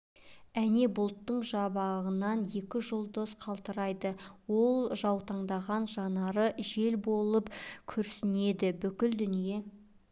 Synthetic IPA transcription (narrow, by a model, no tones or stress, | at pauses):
æne̞bʊlˠt̪ːəɴʒɑbɑʁənɑnje̞kʲɪʒolˠd̪osqʰɑlˠt̪əɾɑjd̪əwo̞lˠʒɑwt̪ɑɴd̪ɑʁɑnʒɑnɑɾəʒe̞lbo̞lˠəpkʲʰɵɾsɪne̞d̪ɪbʏkʲɪld̪ʏnije̞